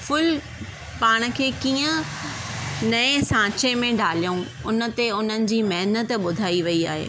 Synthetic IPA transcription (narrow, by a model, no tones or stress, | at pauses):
fʊl | paːɽ̃̆kʰeːkiːə̃ | nɐẽsãːt͡ɕemẽɖaːlijũ | ʊnə̆t̪eʊn̤ənɪ̆d͡ʑiːmɐɦnət̪ɓʊd̪ʱaːiʋɐia̰ːɦḛː